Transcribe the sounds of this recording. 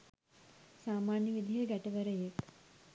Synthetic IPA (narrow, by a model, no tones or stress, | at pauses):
saːmaːnjəʋid̪ʱijəɡæʈəʋəɾəjek̪